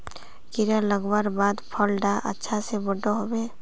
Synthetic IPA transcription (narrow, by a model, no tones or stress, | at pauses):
kɪɾaləɡwaːɾbaːd̪pʰɔlɖaʔɐ̰tːʃʰasebəɖoɦoːbeː